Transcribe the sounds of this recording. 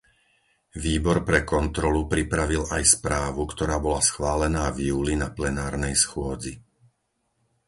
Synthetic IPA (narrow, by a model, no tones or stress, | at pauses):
ʋiːbɔɾpɾɛkɔnt̪ɾɔlupɾipɾaʋilajspɾaːʋukt̪ɔɾaːbɔlasxʋaːlɛnaːvjuːlinaplɛnaːɾnɛjsxʊɔd͡zi